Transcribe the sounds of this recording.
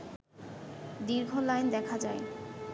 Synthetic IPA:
d̪iɾɡʱolajnd̪ɛkʰad͡ʑae

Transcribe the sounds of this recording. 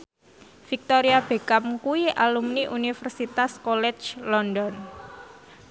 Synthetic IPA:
fik̚t̪oɾiab̥e̤kamkuiʔalumniʔunifərsit̪askɔlɛ̥t͡ʃlɔndɔn

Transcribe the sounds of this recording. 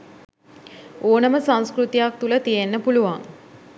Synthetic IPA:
oːnəməsanskrut̪ijak̚t̪ulət̪ijenːəpuluʋaŋ

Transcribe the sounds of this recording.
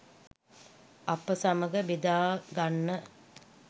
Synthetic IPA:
ɐpəsaməɡəbid̪aːɡanːə

